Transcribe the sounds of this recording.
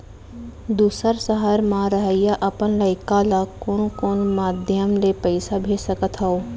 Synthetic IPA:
d̪uːsəɾsəɦaɾmaɾəɦəjaʔəpənləɪkalakoːnkoːnmaːd̪ʱjəmlepəɪsabʱeːd͡ʒsəkət̪ɦəoː

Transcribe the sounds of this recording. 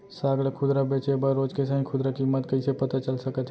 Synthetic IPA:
saɡɽekʰʊd̪ɾabet͡ʃebəɾːod͡ʒkesə̃ɦĩkʰʊd̪ɾakimːət̪kəisepət̪at͡ʃəlsəkət̪ʰ

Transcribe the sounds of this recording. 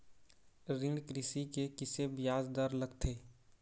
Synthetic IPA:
ɾɪ̃ɖkɾɪsikekɪsebɪjaːzd̪əɾləɡt̪ʰeː

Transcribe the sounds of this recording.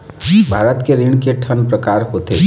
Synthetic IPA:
bʱaːɾət̪keɾiɳkeʈʰənpɾəkaːɾɦot̪ḛː

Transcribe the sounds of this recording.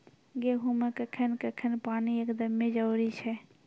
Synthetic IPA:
ɡeɦuməkəkʰənkəkʰənpaːniekd̪əmːẽd͡ʒəwɾit͡ʃʰɛ

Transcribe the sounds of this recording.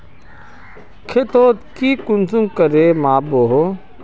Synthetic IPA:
kʰet̪oːt̪kikunsũŋkəɾemaːboɦo

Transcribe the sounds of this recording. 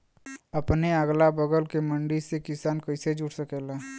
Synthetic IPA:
ɐpneəɡlabəɡəlkemə̃ɳɖisekɪsaːnkəɪsed͡ʒʊʈsəkeːlaː

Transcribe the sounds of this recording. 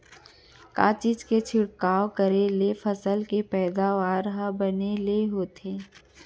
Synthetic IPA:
ka̰ːt͡ʃid͡ʒket͡ʃʰɪɽkaːwkəɾelefʰəsəlkepɛːd̪aːʋaːɾɦabəneleɦoːt̪eː

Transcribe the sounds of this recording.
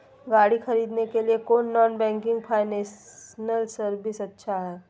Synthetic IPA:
ɡaːɽixɐɾiːd̪nekeliekoːnːɔːnbɛ̃ːŋkɪ̃ŋɡpʰaːɪnesnəlsəɾbisɐtːʃʰaɦɛː

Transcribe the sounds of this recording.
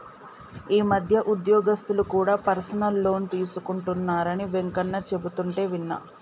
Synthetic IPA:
iːmɐd̪ʱjɐʔud̪jɔːɡɐst̪ulukuːɽaːpɐɾsɐnɐlːo̞ːnt̪iːsukuɳʈunːaːɾɐniʋe̞ŋkɐnːɐt͡ʃe̞but̪uɳʈe̞ːʋinːɐ̰

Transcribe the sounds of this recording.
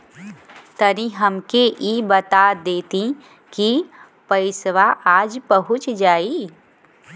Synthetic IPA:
t̪ɐɾĩɦɐmkeʔiːbɐt̪ad̪eːt̪ĩ | ki | pɐɪsʋaʔaːd͡ʒpɐɦʊt͡ʃd͡ʒaːiː

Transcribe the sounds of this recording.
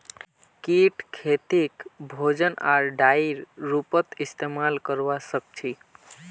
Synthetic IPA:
kiʈkʰet̪ikbʱod͡ʒənʔaɾɖajɾɾupət̪ist̪emalkəɾbasək̚t͡ʃʰi

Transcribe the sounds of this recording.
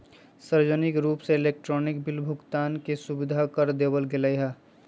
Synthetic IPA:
səɾd͡ʒənɪkɾuːpseːleːk̚ʈɾɔːnɪk̚bɪlbʱʊkt̪aːnkesubɪd̪ʱakəɾd̪ebəlɡeləjɦɛ

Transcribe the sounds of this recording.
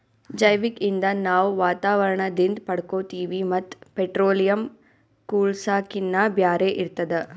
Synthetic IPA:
d͡ʒɐjʋikind̪ɐnaːʋʋaːt̪aːʋɐɾɐɳɐd̪ind̪pɐɽkoːt̪iːʋimɐt̪ːpeʈɾoːlijɐm | kuːlsaːkinːɐbjaːɾeʔiɾt̪ːɐd̪e

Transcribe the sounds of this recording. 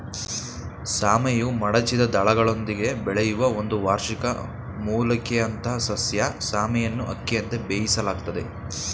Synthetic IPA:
saːmɛjumɐɽɐt͡ʃid̪ɐd̪ɐɭɐɡɐɭo̞nd̪iɡe̞bɛɭejuʋɐo̞nd̪uʋaːɾʃikɐ̰ | muːlɐkɛɐnt̪ɐɦɐsɐsjɐsaːmɛjɐnːuʔɐkːijɐnt̪e̞beːjisɐlaːɡ̚t̪ɐd̪e̞

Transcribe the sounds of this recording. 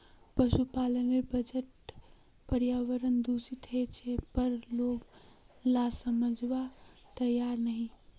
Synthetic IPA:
pəʃupalənebəd͡ʒəʈ | pəɾjaʋəɾənd̪usit̪ɦet͡ʃʰepəɾloɡ | lasəməd͡ʒʋat̪əjaɾnəɦĩ

